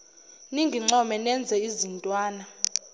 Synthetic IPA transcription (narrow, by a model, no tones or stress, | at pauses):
niŋɡʱiŋ͡ǀɔmɛnɛnd͡zʱɛizintʼwaːna